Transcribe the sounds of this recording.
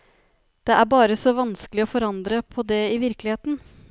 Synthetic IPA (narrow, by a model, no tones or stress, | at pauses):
d̪̥ɛʔæɾbɑːɾəsɔʋɑnskəlɪɔfɔɾɑnd̪ɾəpʰɔd̪ɛɪʋɪɾklɪheːt̪n̩